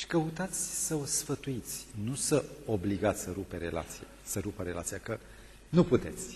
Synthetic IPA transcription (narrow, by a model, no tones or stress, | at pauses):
ʃi̥kəut̪at̪sʲsəosfət̪uit̪sʲnusəo̞bliɡat̪sʲsəɾupe̞ɾe̞la̰t̪sija | səɾupəɾe̞lat̪sijakə | nuput̪e̞t̪sʲ